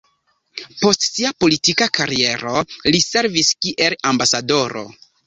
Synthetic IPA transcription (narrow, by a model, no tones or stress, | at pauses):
po̞stsiapo̞litikakaɾie̞ɾo̞lise̞ɾviskiʔe̞lambasado̞ɾo̞̰